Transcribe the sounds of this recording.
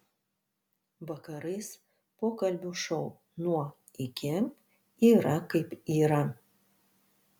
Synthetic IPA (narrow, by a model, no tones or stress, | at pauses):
ʋɐkɐɾɐɪs | poːkɐlʲbʲuʃɐʊ | nuɔ | ɪkʲɪm | iːɾɐkɐɪpiːɾɐ